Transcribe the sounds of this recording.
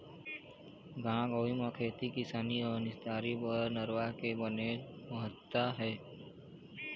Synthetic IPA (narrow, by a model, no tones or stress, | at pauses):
ɡãːɡoʋimakʰeːt̪ikɪsaːniɔːɾnɪst̪aːɾipəɾnəɾwakebəneːmʊɦət̪ːaɦɛː